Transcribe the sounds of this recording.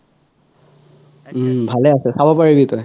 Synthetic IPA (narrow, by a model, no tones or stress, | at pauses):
bʱalɛasɛsabɔpaɹibitɔj